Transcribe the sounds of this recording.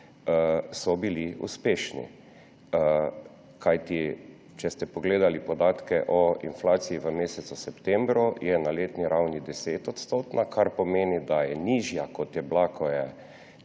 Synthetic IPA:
əsɔbiliṵspeːʃnḭ | kajt̪i | t͡ʃɛst̪ɛpɔɡleːd̪alipɔd̪aːt̪kɛʔɔḭnflaːt̪sijiʋəmeːsɛt̪susɛpt̪ɛmbɾujɛnaleːt̪niɾawnid̪ɛseːt̪ɔt̪st̪oːt̪nakʰaɾpɔmeːnid̪ajɛniʒjakɔt̪jɛblakʰɔjɛ

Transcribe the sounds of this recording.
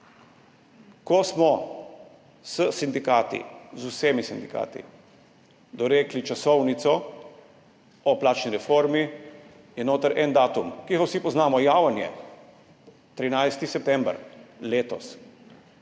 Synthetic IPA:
kɔsmɔ | səsind̪ikaːt̪ḭzusemisind̪ika̰ːt̪ḭ | d̪ɔɾeːklit͡ʃasɔwnit̪sɔ | ɔplaːt͡ʃniɾɛfoɾmi | jɛnoːt̪əɾʔɛnd̪aːt̪umkiɣawsipɔznaːmɔjaːwanjɛ̰ | t̪ɾinajst̪isɛp̚t̪ɛmbɾleːt̪ɔ̰s

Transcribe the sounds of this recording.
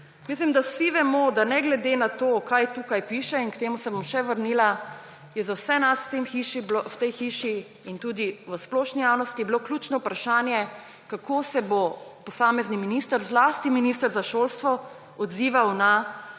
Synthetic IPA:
mis̬limd̪asiʋɛmod̪anɛɡlɛd̪enat̪oːkajt̪uːkajpiʃɛinkt̪eːmusɛbɔmʃɛʋəɾnila | jɛzawsɛnast̪emxiʃiwt̪ɛjxiʃi | int̪uːd̪iʋəsplɔːʃnijawnɔst̪ijɛbiloklʲjuːt͡ʃnɔwpɾaʃaːnjɛ | kakʰosɛbopɔsaːmɛzniminiːst̪əɾzlaːst̪iminist̪əɾzaʃoːlst̪ʋɔ | ɔd̪ziːʋawna

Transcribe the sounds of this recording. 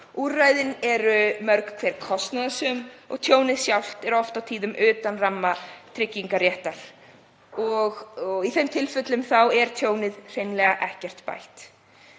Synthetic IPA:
uːɾrajðɪnɛɾʏmœɾkḁkʰvɛːɾ̥kʰɔst̪naðasʏmɔ̰ɣt̪ʰjoːwnɪðsjawl̥t̪ɛɾɔft̪awt̪ʰiːðʏmʏːt̪anramːat̪ʰɾɪcːiŋkaɾjɛht̪aɾ̥ | ɔɣiθejmt̪ʰɪlfʏt̪lʏmθawɛɾ̥t̪ʰjoːwnɪðr̥ejnlɛɣaʔɛhcɛr̥t̪pa̰jlt̪

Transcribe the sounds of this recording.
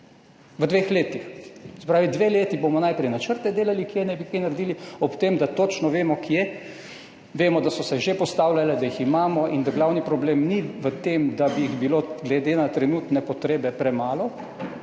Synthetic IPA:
ʋəd̪ʋeːxleːt̪ixsɛ̥pɾaːʋid̪ʋeːleːt̪ibomɔnajpɾɛjnat͡ʃəɾt̪ɛd̪eːlalikjenɛbikenaɾd̪iːliɔpt̪eːmd̪at̪oːt͡ʃnɔʋeːmɔkʰje | ʋeːmɔd̪asɔsɛʒepɔst̪aːwlalɛd̪ajiximaːmɔʔind̪aɡlawnipɾɔbleːmniʋət̪eːmd̪abijiɣbiloːɡlɛd̪eːnat̪ɾɛnuːt̪nɛpɔt̪ɾeːbɛpɾɛmaːlɔ

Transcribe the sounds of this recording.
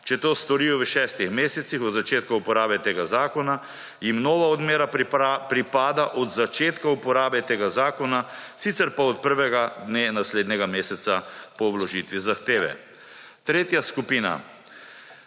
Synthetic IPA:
t͡ʃɛt̪oːst̪ɔɾiːjɔʋəʃɛst̪ixmeːsɛt̪sixɔd̪zat͡ʃeːt̪kaupɔɾaːbɛt̪eːɡazaːkɔna | jimnoːʋaɔd̪meːɾapɾipaːd̪aʔɔd̪zat͡ʃeːt̪kaupɔɾaːbɛt̪eːɡazaːkɔnasit̪sɛɾpaɔt̪̚pəɾʋɛɡad̪nenasleːd̪nɛɡameːsɛt̪sapɔblɔʒit̪ʋizaxt̪eːʋɛ̰ | t̪ɾeːt̪jaskupiːna̰

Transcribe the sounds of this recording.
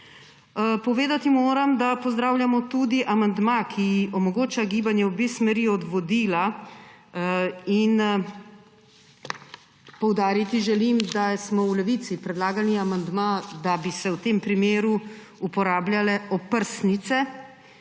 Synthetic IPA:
pɔʋeːd̪at̪imoːɾɐmd̪apɔzd̪ɾaːwlʲjamɔt̪ud̪iʔamand̪makʰiɔmɔɡoːt͡ʃaɡiːbanjɛwbeːsmɛɾiɔd̪ʋɔd̪iːla | in | pɔwd̪aːɾit̪iʒɛlimd̪asmɔwlɛʋit̪sipɾɛd̪laːɡaniamand̪mad̪abisɛwt̪eːmpɾimeːɾu | upɔɾaːbljalɛɔpəɾsnit̪sɛ

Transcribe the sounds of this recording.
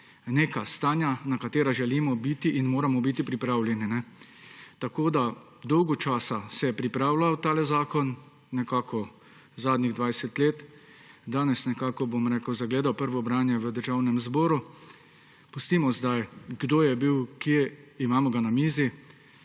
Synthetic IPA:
neːkast̪aːnjanakat̪eːɾaʒɛliːmɔbit̪iʔinmoːɾamɔbit̪ipɾipɾaːwljɛninɛ | t̪akoːd̪a | d̪ɔwɡɔt͡ʃaːsasɛjɛpɾipɾaːwlawt̪aːlɛzaːkɔnː | ɛkaːkɔ | zaːd̪niɣd̪ʋajsɛt̪leːt̪ | d̪aːnɛsnɛkaːkɔbomɾɛːkəwzaɡleːd̪awpəɾʋɔbɾaːnjɛʋəd̪əɾʒawnɛmzbɔːɾu | pust̪iːmɔzd̪ajɡd̪oːjɛbiwkiɛimaːmɔɡanamiːzi

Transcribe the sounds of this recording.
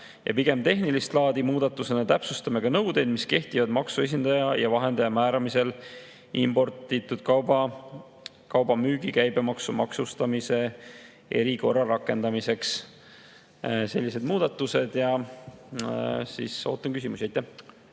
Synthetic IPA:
jʔɑ̰piɡ̥e̞mt̪e̞ɦnilist̪lɑːd̪̥imuːd̪̥ɑt̪ːˑuse̞nɑt̪æpsust̪ɑmeɡ̥ɑnɤwd̪e̞jd̪̥miske̞ht̪ivɑd̪mɑksue̞s̬ʲind̪̥ɑjɑjɑvɑɦe̞nd̪ejɑmæːɾɑmise̞l | ʔimb̥o̞rt̪it̪ːˑud̪̥kɑ | kɑwbɑmyːɡ̥ikæjb̥e̞mɑksumɑksust̪ɑmise̞ | e̞ɾiko̞rːɑɾɑkːˑe̞nd̪̥ɑmise̞ks | se̞lːise̞d̪muːd̪̥ɑt̪ːˑuse̞d̪̥jɑ | sḭso̞̰ːt̪ːˑɑnkys̬ʲimusʲiɑjt̪ːæh

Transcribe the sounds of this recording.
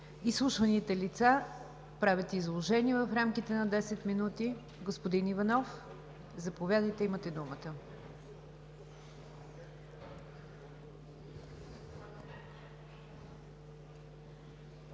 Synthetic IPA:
islˠuʃvɐnit̪ɛlit̪sa | pɾavʲət̪ɛizlˠoʒɛniɛvɐfɾamkit̪ɛnɐd̪ɛsɛt̪minut̪i | ɡospod̪inivɐnɔf | zɐpovʲjad̪əjt̪ɛimət̪ɛd̪umət̪ə

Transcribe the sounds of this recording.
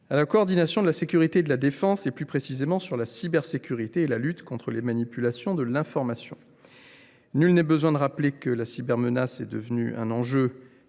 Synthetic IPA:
alakoːʁd̪inasjɔ̃d̪əlasekʲyʁit̪eːd̪əlad̪efɑ̃seplypχesizemɑ̃syʁlasibɛʁsekʲyʁit̪eːlalyt̪kɔ̃t̪χəlemanipylasjɔ̃d̪əlɛ̃fɔʁmasjɔ̰̃ | nylnɛbəzwɛ̃d̪əʁaplekəlasibɛʁmənasɛd̪ə̰vəny̰ɛ̰̃nɑ̃ʒø

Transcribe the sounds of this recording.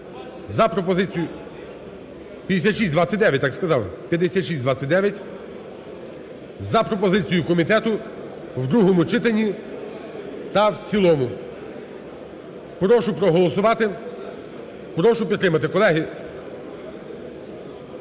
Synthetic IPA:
zɐpɾɔpɔzɪt͡sʲijʊ | pʲjɐd̪esʲat̪ʃisʲd̪ʋɑt͡sʲɐt̚ʲd̪ɛʋʲjɐt̚ʲt̪ːɑkskɐzɑwɪpʲjɐd̪esʲat̪ʃisʲd̪ʋɑt̪t͡sʲːɐt̚ʲd̪ɛʋʲjɐtʲ | zɐpɾɔpɔzɪt͡sʲijʊkɔmʲit̪ɛt̪ʊ | wd̪ɾuɦɔmʊt͡ʃɪt̪enʲːi | t̪ɐwt͡sʲilˠɔmʊ | pɾɔʃʊpɾɔɦɔlˠɔsʊʋɑt̪ɪ | pɾɔʃʊpʲid̪t̪t̪ːɾɪmɐt̪ɪkɔlˠɛɦi

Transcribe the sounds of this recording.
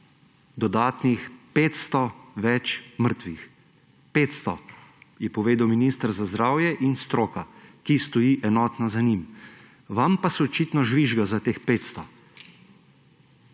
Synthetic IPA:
d̪ɔd̪aːt̪nixpeːt̪st̪ɔʋɛt͡ʃməɾt̪ʋix | peːt̪st̪ɔjɛpɔʋeːd̪awminist̪əɾzazd̪ɾaːwjɛʔinst̪ɾoːkakist̪ɔjiːʔɛnɔːt̪nazanim | ʋampasɛɔt͡ʃit̪nɔʒʋiʒɡazat̪eːxpeːt̪st̪ɔ

